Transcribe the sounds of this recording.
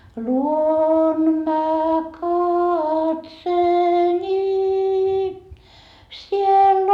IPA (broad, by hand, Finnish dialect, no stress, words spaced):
luon mæ kɑtseːni sielː